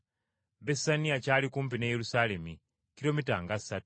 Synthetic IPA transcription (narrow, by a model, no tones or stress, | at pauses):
besaniat͡ʃaːlikumpinejelusalemi | kilomitaŋɡasat